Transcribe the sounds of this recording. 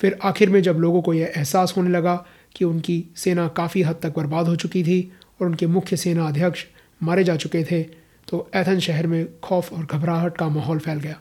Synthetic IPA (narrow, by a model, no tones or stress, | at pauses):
fɪɾaːxɪɾmẽd͡ʒɐbloːɡõkojeʔɛɦsaːsɦoːnelɐɡa | kiʊnkiseːnakaːfiɦɐd̪̚t̪ɐk̚bɐɾbaːd̪ɦot͡ʃʊkit̪ʰiɔːɾʊnkemʊkʰjəseːnaɐd̪ʱjəkʃ | maːɾed͡ʒaːt͡ʃʊket̪ʰe | t̪oɛːt̪ʰə̃nʃɛɦɛɾmẽkʰɔːfɔːɾɡʱɐbɾaːɦəʈkamaːɦɔːlpʰɛːlɡɐjaː